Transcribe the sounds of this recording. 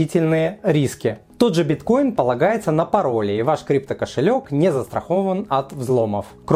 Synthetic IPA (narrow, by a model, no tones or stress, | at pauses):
itʲɪlʲnɨjəɾʲiskʲɪ | t̪o̞d̪ʐɨbʲɪt̪ko̞jɪnpəlˠɐɡajɪt̪sənəpɐɾo̞lʲɪːvaʂkɾʲip̚t̪əkəʂɨlʲo̞knʲɪzəst̪ɾɐ̰xo̞vənɐt̪vzlˠo̞məf | k